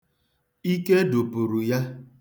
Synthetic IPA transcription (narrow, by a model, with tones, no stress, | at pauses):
i˦ke˦du˨pu˨ɾu˨ja˦